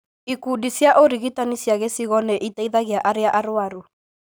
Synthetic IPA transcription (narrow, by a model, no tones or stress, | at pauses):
ikudisjaʔoɾiɣitanisjaɣesiɣɔnɛʔitaiðaɣeaʔaɾeaʔaɾwaɾu